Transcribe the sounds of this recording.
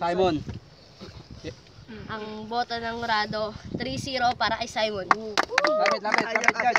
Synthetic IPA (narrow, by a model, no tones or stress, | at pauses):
sajmon | ʔɐŋboːt̪onɐŋɾaːd̪o̞t̪ɾisiːɾo̞paːɾɐʔɐjsajmonap̪apɪ